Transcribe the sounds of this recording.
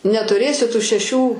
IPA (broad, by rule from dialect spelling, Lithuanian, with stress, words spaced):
nʲɛtʊˈrʲeːsʲɪ tʊ ʃʲɛˈʃʲuː